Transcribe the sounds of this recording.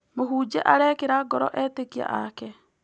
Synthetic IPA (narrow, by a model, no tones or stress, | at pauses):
moɦuːd͡ʒɛʔaɾɛːkeɾaɡɔɾɔ̰ʔɛːtekia̰ʔakɛ